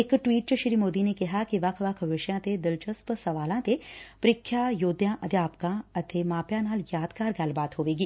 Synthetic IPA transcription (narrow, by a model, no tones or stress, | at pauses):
ɪkʈʋiːʈ̚t͡ʃəʃɪɾimoːd̪inekɪɦakiʋɐkʰʋɐkʰʋɪʃjãːt̪ed̪ɪlt͡ʃəspsɐʋaːlãːt̪epɾɪkʰːjajoːd̪jãːʔɐd̪jaːpkãːɐt̪emaːpjãːnaːljaːd̪kaːɾɡaːlbaːt̪ɦoːʋeːɡiː